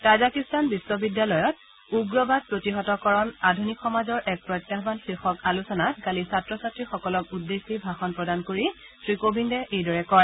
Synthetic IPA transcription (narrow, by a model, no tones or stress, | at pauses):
tazakistanbisːɔbidjalɔjɔt̚ | uɡɹɔbad̚pɹotiɦɔtɔkɔɹɔnadʱunikxɔmazɔɹʔɛk̚pɹɔjtjaɦbanxɹixɔkalusɔnatkalisatɹɔsatɹixɔkɔlɔkudːesːibʱaxɔnpɹɔdankoɹi | sɹikobʱindɛʔejdɔɹɛkɔɹ